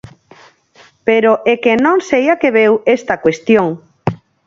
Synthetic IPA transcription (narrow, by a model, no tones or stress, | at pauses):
peɾoʔekenõŋsejakeβewest̪akwest̪joŋ